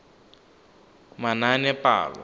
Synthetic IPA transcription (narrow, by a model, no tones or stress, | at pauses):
mananɛpa̰ːlɔ̰